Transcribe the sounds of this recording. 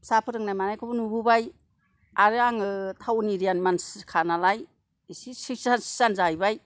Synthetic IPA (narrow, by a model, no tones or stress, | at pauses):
sapʰɯɾɯŋnajmanajkʰɔbɯnububaj | aɾɯaŋɯtʰawniɾijanmanskʰanalaj | isisik̚sansi̥sanzajbaj